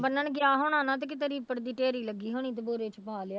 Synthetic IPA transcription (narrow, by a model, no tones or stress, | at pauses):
bənːəɳɡɪaːɦoːɳãːnãːt̪ekɪt̪əɾiːpəʈd̪iːʈeːɾiːləɡːiːɦoːñĩːt̪eboːɾeːt͡ʃpaːlɪa